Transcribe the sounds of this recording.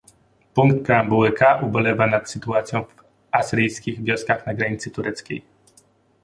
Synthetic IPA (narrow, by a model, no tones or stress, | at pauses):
puŋkt̪̚pɾɛambuwɘkʰaʔubɔlɛvanat̪sɘt̪uat̪sʲjɔ̃w̃v | asɾɘjskʲiɣvʲjɔskaxnaɡɾaɲit̪sɘt̪uɾɛt̪skʲḛj